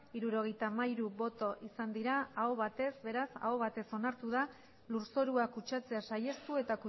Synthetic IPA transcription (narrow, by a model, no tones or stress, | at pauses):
iɾuɾo̞ɣ̞e̞jt̪amaiɾuβo̞t̪o̞ʔisand̪iɾaaoβat̪e̞zbe̞ɾasa̰oβat̪e̞so̞naɾt̪uð̞a | luɾso̞ɾuakut͡ʃat͡se̞asaje̞st̪ue̞t̪aku